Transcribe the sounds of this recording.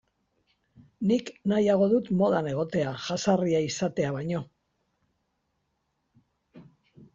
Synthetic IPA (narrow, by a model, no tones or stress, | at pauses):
niknajaɣ̞o̞ðut̪mo̞ð̞ane̞ɣ̞o̞t̪e̞aʝasariaisat̪e̞aβajɲo̞